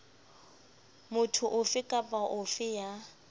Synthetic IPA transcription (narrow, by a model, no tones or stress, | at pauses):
mʊtʰʊʔʊfɪkʼapʼaʔʊfɪja